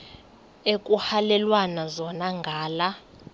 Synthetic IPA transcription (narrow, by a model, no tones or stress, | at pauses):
ekʼuhalɛlwanazɔnaŋɡʱaːla